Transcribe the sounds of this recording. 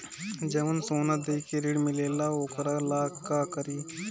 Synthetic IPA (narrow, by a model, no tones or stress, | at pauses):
d͡ʒeʋənsoːnad̪ejkeɾiɽmileːlaoːkɾalaːkːakəɾiː